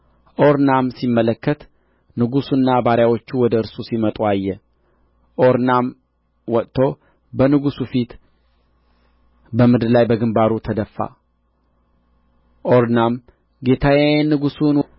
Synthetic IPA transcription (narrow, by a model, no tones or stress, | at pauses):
ʔoɾnamsimːələkːət̪ | nɨɡusunːabaɾjawo̞t͡ʃːuwɔd̪əɨɾsusimət̪ʼuajːɛ | ʔoɾnam | wɔt̪ʼt̪ʰo̞ | bənɨɡusufit̪ | bəmɨd̪lajbəɡɨmbaɾut̪ʰəd̪əfːa̰ | ʔoɾnam | ɡe̞t̪ʰajajnːɨɡusun